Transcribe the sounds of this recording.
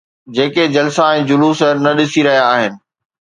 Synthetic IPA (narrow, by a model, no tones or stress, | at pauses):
d͡ʑeːked͡ʑɐlsaẽːd͡ʑʊluːsəɾnɐɗɪsiɾɐɦijaːɦɪnɪ̆